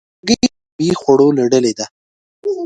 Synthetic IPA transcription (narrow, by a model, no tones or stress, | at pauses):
ɡi | bixwaɽolaɖəled̪a